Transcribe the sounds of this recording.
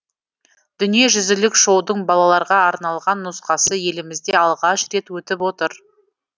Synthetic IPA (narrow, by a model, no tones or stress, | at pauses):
d̪̥ʏnije̞ʒʏzɪlɪkʃo̞wd̪əɴbɑlˠɑlˠɑɾʁɑɑɾnɑlˠʁɑnːʊsqɑsəje̞lɪmɪzd̪e̞ɑlˠʁɑʃɾe̞t̪wɵt̪ɪpwo̞t̪əɾ